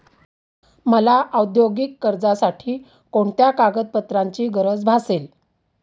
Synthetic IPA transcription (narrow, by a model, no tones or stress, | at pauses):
məlaʔəwd̪joɡikːəɾd͡zasaʈʰiː | koɳt̪jakaɡət̪̚pət̪ɾaɲt͡ɕiːɡəɾəd͡zbʱasel